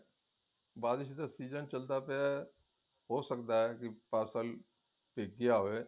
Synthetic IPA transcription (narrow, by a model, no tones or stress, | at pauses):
baːd̪ɪʃid̪asiːzənt͡ʃəld̪aːpea | ɦoːsəkd̪aːɛkɪpaːsəl | peːɡɪjaːɦoːeː